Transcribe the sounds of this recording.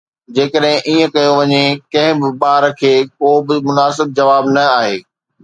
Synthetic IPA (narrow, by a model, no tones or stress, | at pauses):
d͡ʑeːkəɗɦɪ̃ʔiːə̃kɐjoʋɐɲekɐ̃ɦɪ̃bɪɓaːɾkʰeːkoːbɪmʊnaːsɪb̚d͡ʑɐʋaːbnɐaːɦeː